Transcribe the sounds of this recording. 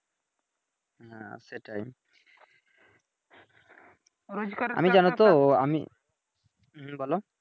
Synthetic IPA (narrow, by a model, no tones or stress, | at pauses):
ɦãseʈajm | ɾd͡ʒa̰mid͡ʑanot̪oamḭ | ɦbɔlo